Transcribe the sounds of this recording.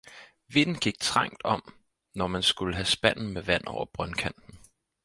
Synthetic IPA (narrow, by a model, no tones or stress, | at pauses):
ʋe̝n̰n̩ɡ̥iɡ̥̚t͡sʰʁɑ̈ŋ̰d̥ɒ̽m | nɒmænsɡ̥uləɦæsb̥æn̰n̩meʋæn̰ɒʊ̰ɐb̥ʁɶnkʰæn̰d̥n̩